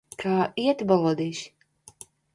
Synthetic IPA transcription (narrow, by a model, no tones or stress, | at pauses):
kʰaːiɛt̪balˠɔd̪iːʃ